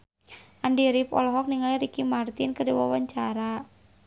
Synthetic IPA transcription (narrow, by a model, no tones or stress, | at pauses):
ʔandiɾɪpɔ̰lɔɦɔk̚niŋaliɾikimart̪ɪnkədewawaɲt͡ʃaɾa